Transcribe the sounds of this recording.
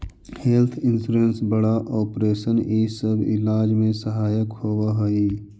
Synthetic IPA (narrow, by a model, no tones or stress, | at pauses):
heːlt̪ʰɪnsuɾensbəɽaʔɔːpɾeːʃəniːsəbɪ̰laːd͡ʒmẽsəɦaːjəkhoːwaɦoi